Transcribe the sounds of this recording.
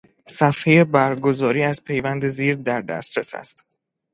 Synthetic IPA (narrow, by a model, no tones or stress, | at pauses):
sæfhejebæɾɡo̞zɒːɾiːæzpʰe̞jvænd̪e̞ziːɾd̪æɾd̪æ̰st̪ɾesæ̰st̪